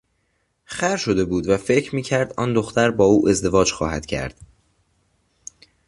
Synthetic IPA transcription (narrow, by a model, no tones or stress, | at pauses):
xæɾʃo̞d̪e̞buːd̪væfe̞cʰɾmiːcʰæɾd̪ʔɒ̰ːnd̪oxt̪æɾbɒːuːʔe̞zd̪e̞vɒːd͡ʒxɒːhæd̪̥cʰæ̰ɾd̪̥